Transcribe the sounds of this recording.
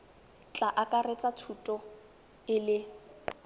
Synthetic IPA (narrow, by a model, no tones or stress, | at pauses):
t͡ɬʼaʔakʼaret͡sʼat͡sʰutʼɔ | ɪlɪ